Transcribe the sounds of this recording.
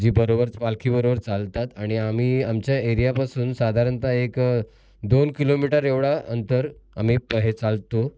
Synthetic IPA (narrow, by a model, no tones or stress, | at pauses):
d͡ʑiːbəɾobəɾpalkʰiːbəɾobəɾt͡salt̪at̪aɽ̃iam̤iːamt͡ɕjaeɾijapasuːnsad̪ʱaɾənt̪aek | d̪onkilomiʈəɾeʋɽaənt̪əɾa̰m̤iːpəɦet͡salt̪o